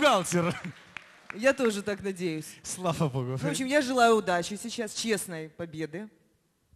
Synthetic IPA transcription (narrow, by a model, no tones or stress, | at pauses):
ɡalˠtʲɪɾ | jat̪o̞ʐɨt̪aknɐdʲejʊsʲslˠafɐboɡʊvvopɕʲɪmjaʐɨlˠajʊːd̪at͡ɕɪsʲɪt͡ɕast͡ɕe̞snəjpɐbʲe̞d̪ɨ